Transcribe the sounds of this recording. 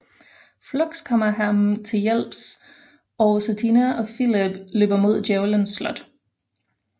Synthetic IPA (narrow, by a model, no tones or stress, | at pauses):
flɔɡ̥skʰɒmɐɦæmt͡sʰe̝ljel̰b̥s | ɒʊsæt͡sʰinæʔɒ̽filib̥lø̰ːb̥ɐmo̝ð̞̰ˠdjeʊlənsːlɒ̽d̥